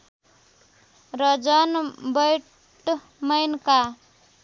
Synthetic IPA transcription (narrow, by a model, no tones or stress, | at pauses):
rʌd͡zʌnbʌj | ʈ | mʌjnka